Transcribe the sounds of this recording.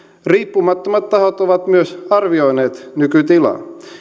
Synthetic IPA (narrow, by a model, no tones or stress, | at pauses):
riːpːumɑt̪ːomɑt̪t̪ɑhot̪oʋɑt̪myøsɑrʋiojneːt̪nykyt̪ilɑ̰